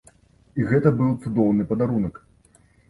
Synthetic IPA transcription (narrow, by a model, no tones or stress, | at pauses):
iɣɛt̪ɐbɨlˠt̪sud̪ɔwnɨpɐd̪aɾunɐk